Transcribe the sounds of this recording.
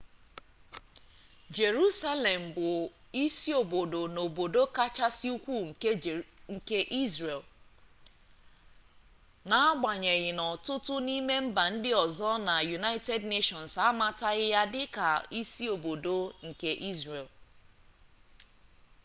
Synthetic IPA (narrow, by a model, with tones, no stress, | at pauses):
d͡ʒe˨ɾu˦sa˦le˨m̩˨bʊ˨ | i˦si˦o˨bo˨do˨no˨bo˨do˦ka˦t͡ʃa˦sɪ˦u˦kʷu˦ŋ̩˨ | ŋ̩˨ke˦ʔi˦zɾe˨l | na˨˦a˦ɡ͡ba˨ɲe˨ɣɪ˨nɔ˨tʊ˦tʊ˦ni˦me˦m̩˦ba˨n̩˦dɪ˦ɔ˨zɔ˦na˨ju˨na˦ɪ˦te˦dne˦ʃɔ˨n˨sa˦ma˦ta˦ɣɪ˦ja˦dɪ˦ka˨i˦si˦o˨bo˨do˨ŋ̩˨ke˦ʔi˦zɾe˨l